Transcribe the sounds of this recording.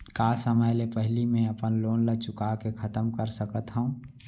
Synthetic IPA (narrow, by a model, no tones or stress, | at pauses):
kaːsəməjlepəɦlimẽəpənloːnləɡ̚t͡ʃʊkakekʰət̪əmkəɾsəkət̪ɦəũ